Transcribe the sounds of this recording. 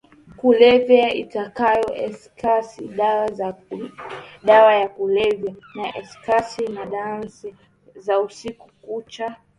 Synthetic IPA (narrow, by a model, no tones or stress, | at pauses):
kulɛvjaitakajɔʔɛskasi | ɗawajakulɛvjanaʔɛskasinaɗans | zausiku̥kut͡ʃa